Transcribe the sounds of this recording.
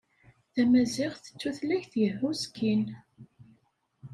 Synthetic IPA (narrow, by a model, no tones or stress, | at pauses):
θæmæziʁθə̥t͡sːuθlæçθjəhuzkʰːin